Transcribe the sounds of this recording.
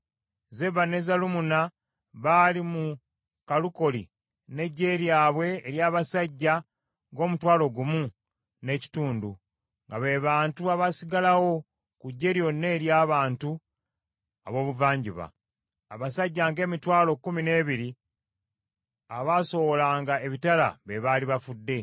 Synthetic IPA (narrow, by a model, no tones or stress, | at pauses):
ze̞βane̞zalumuna | βaːlimu | kaluko̞li | ne̞ɟːe̞ːɾjaːβwe̞ːɾjaːβasaɟːa | ɡo̞ːmutwaːlo̞ɡumu | ne̞ci̥tuːndu | ŋɡaβe̞βaːntuaβasiɡalawo̞ | kuɟːe̞ɾjo̞nːe̞ːɾjaːβaːntu | a̰βo̞ːβuvaːɲɟiβa̰ | a̰βasaɟːaːŋɡe̞ːmitwaːlo̞kːumine̞ːβiɾi | aβaso̞wo̞laːŋɡae̞βitala̰βe̞βaːliβafudːe̞